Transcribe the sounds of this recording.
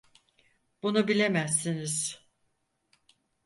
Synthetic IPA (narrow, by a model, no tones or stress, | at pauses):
b̥unubilʲe̞mæsːiniz̥